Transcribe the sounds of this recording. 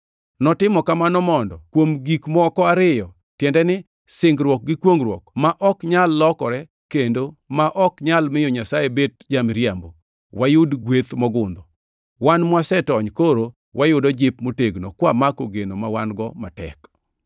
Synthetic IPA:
nɔtɪmɔkamanɔmɔndɔkwomɡikmɔkɔaɾɪjɔ | tjɛndɛnɪ | sɪŋɡɾwɔk̚ɡɪkwoŋɾwɔkmaʔɔkɲalːɔkɔɾɛ | kendomaʔɔkɲalmɪjoɲasajebet̚d͡ʒamɾjambo | wajʊdɡwet̪mɔɡʊnd̪ɔ | wanmwasɛtɔɲkoɾo | wajʊdɔd͡ʒɪpmoteɡno̰kwamakoɡenomawanɡɔmatɛ̰k

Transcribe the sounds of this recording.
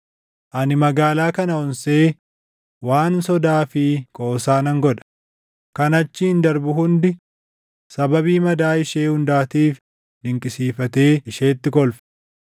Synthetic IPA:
ʔɐnɪmɐɡaːlaːkɐnɐɔnseː | waːnsɔd̪aːfɪkʼoːsaːnɐŋɡɔᶑɐ̥ | kɐnɐt͡ʃːɪɪnd̪ɐɾbʊhʊnd̪ɪ | sɐbɐbiːmɐd̪aːɪʃe̞ːhʊnd̪aːt̪iːf | d̪ɪŋkʼɪsiːfɐt̪eːɪʃe̞ːt̪ːɪkɔlfɛ̥

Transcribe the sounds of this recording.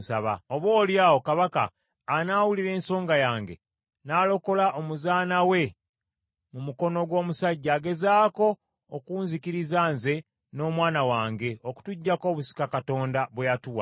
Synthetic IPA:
sa̰βa̰oβo̞ːljaːwo̞kaβaka̰ː | naːwuliɾe̞ːnso̞ːŋɡajaːŋɡe̞̰ | naːlo̞ko̞laʔo̞muzaːnawe̞ | mumuko̞no̞ɡwo̞ːmusaɟːaːɡe̞zaːko̞ː | kuːnzikiɾizaːnze̞ | no̞ːmwaːnawaːŋɡe̞o̞ku̥tuɟːako̞ːβusi̥kakato̞ːndaβwejatuwa̰

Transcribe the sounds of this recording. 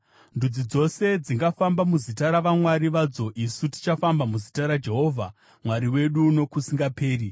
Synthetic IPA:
ndud͡zid͡zo̞se̞d͡ziŋɡafambamuzitaɾaʋamwaɾiʋad͡zo̞ʔisuti̥t͡ʃafambamuzitaɾad͡ʒe̞ɦo̞ːvʱa | mwaɾiwe̞ɗuno̞kusiŋɡapʰe̞ːɾi

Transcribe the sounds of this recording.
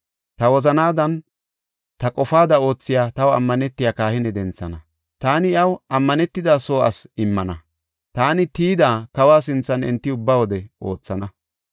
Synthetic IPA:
t̪ɐwɔzɐnaːd̪ɐn | t̪ɐkʼɔfaːd̪ɐo̞ːt͡sːɪjaːt̪ɐwɐ̰mːɐnɛt̪ːɪjaːkaːhɪnɛd̪ɛnt͡sːɐnɐ | t̪aːnɪɪɐwʔɐmːɐnɛt̪ːɪd̪aːso̞ːʔɐ̰sɪmːɐnɐ | t̪aːnɪt̪iːd̪aːkɐwaːs̬ɪnt͡sːɐnɪ̰nt̪ːɪʊbːaːwɔd̪ɛʔo̞̰ːt͡sːɐnɐ

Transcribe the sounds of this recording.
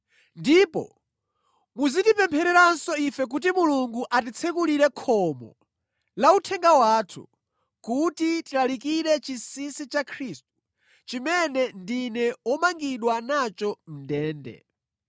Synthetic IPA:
ndipɔ̰ | muzindipɛmpʰɛɾɛɾansɔifɛk̬ut̬imuluŋɡuʔat̬it͡sʰɛkuliɾɛkʰɔmɔ̰ | lautʰɛŋɡawaːtʰṵ | kutitilalikiɾɛt͡ʃisisit͡ʃakʰɾist̚u̥ | t͡ʃimɛnɛndinɛwɔmaŋɡiɗwanat͡ʃɔm̩dɛːndɛ̰

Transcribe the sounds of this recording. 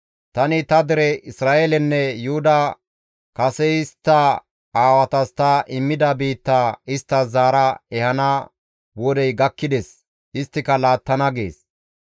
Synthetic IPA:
t̪ɐnɪt̪ɐd̪ɛɾɛʔɪsɾaːʔelɛnːɛjʊhʊd̪ɐ | kɐsɛɪst̪ːɐ | aːwɐt̪ɐst̪ɐʔɪmːɪd̪ɐbiːt̪ːaːɪst̪ːɐzaːɾɐɛhɐna | wɔd̪ɛjɡɐkːɪd̪ɛs | ʔɪst̪ːɪkɐlaːt̪ːɐnɐɡḛːs

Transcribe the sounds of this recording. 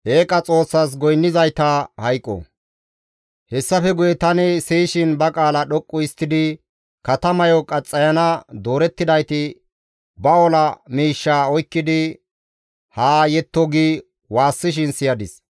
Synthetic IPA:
ʔeːkʼɐt͡sʼo̞ːsːɐs̬ɡɔjnːɪzɐjt̪ɐhɐjkʼːɔ̰ | hɛsːɐfɛɡʊjɛt̪ɐnɪsiːʃɪnbɐkʼaːlɐɗɔkʼːʊɪst̪ːɪd̪ɪ | kɐt̪ɐmɐjɔkʼɐt͡sʼːɐjɐnɐd̪o̞ːɾɛt̪ːɪd̪ɐjt̪ɪ | bɐɔlɐmiːʃːaːɔjkːɪd̪ɪ | haːjɛt̪ːɔɡi | waːsːɪʃ̬ɪnsɪjɐd̪ɪs

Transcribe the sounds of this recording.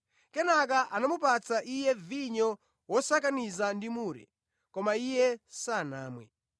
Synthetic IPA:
kɛnak̬aʔanamupat͡saʔijɛviɲɔ | wɔsak̬anizandimuːɾɛ̰ | kɔmaijɛsana̰ːmwɛ̰

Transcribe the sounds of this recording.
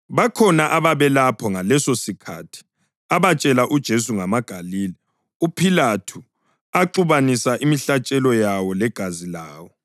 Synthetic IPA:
βakʰɔnaʔaβaβɛlapʰɔŋalɛsosikʰatʰi̥ | aβat͡ʃʼɛlaʔud̥ʒ̥ʱes̬uŋamaɡ̥ʱaliːlɛ | upʰilatʰu | aǃuβanisaʔimiɬat͡ʃʼɛlɔjawɔlɛɡ̥ʱazilaːwɔ

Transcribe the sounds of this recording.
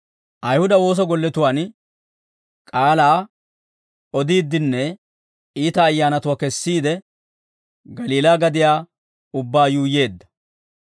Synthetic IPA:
ʔɐjhʊd̪ɐwo̞ːs̬ɔɡɔlːɛt̪ʊwaːn | kʼaːlaː | ɔd̪iːd̪ːɪnːɛ | iːt̪ɐːjːaːnɐt̪ʊwaːkɛsːiːd̪ɛ | ɡɐliːlaːɡɐd̪ɪjaː | ʊbːaːjuːje̞ːd̪ːɐ̥

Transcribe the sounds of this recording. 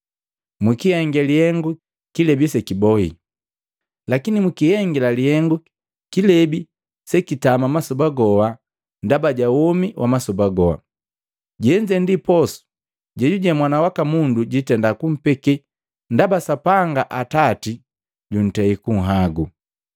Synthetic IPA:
mikijɛŋɡɛlihɛŋɡu | kilɛbisɛkibɔhḭ | lakinimukihɛŋɡɛlalihɛŋɡu | kilɛbi | sɛkitamamasubaɡɔwa | ndabaɟawɔmiwʔamasubaɡɔa̰ | ɟɛɲd͡ʒɛndipɔsu̥ | ɟɛɟuɟamwanawakamunduɟitɛndakum̩pɛkɛ | ndabasapaŋɡaʔatati | ɟun̩tɛikuŋ̩ɦaɡu

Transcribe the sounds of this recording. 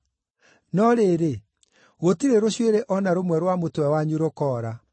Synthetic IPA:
nɔɾeɾe | ɣotiɾeɾoɕweɾeʔɔnaɾomwɛɾwamotwɛwaɲuɾokɔːɾa

